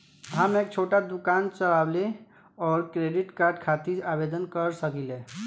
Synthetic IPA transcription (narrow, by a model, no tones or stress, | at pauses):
ɦamek̚t͡ʃʰoʈad̪ukant͡ʃəlable | ɔːɾkɾeɖiʈkaɾɖkʰat̪id͡ʒabed̪ənkəɾsəkilẽ